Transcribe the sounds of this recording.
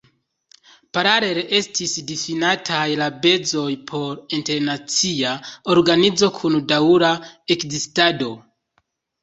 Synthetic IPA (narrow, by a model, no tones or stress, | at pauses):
paɾale̞ɾʔe̞stisdifinatʰajlabe̞zo̞jpʰo̞ɾinte̞ɾnat͡siao̞ɾɡanid͡zo̞kʰundauɾae̞kzistado̞